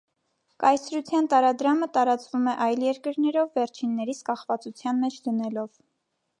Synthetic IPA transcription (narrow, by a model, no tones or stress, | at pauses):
kɑjsɾut͡sʰjɑnt̪ɑɾɑd̪ɾɑmət̪ɑɾɑt͡svumɛʔɑjljɛɾkəɾnɛɾɔvːɛɾt͡ʃʰinːɛɾit͡sʰkɑχvɑt͡sut͡sʰjɑnmɛt͡ʃʰd̪ənɛlɔv̥